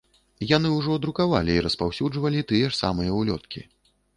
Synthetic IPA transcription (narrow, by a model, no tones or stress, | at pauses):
janɨuʐɔd̪ɾukava̰lʲiːɾɐspawsʲud͡ʐvɐlʲit̪ɨjɛʂsa̰mɨjɐwlʲɔ̰t̪̚kʲḭ